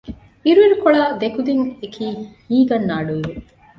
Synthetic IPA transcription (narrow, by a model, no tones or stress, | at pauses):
iɾuiɾukoɭaːd̪ekud̪iŋekʰiːmiːɡɐnːaːɖuiʋu